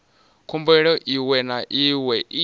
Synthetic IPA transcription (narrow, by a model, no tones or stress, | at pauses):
kʰumbɛɺɔʔiwɛnaʔiwɛʔi